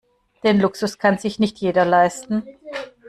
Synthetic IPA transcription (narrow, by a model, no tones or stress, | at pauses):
d̥eːnlʊksʊskʰanzɪçnɪçtʰjeːdɐlaɪstn̩